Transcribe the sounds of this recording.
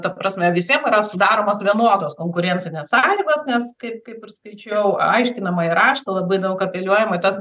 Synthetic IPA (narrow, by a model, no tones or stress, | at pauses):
t̪ɐpɾɐsʲmʲɛʋʲɪsʲiɛmɪɾɐsʊd̪ɑːɾoːmoːsʋʲiɛnuɔd̪oːskoːŋkʊɾʲɛnʲt͡s̪ʲɪnʲɛssɑːlʲiːɡoːsnʲɛskɐɪp̚kɐɪpɪrskɐɪt͡ʃʲɛʊɐɪʃʲkʲɪnɐmɐɪɾɑːʃt̪ɐlˠɐbɐɪd̪ɐʊkɐpʲɛlʲuɔjɛmoɪt̪ɐs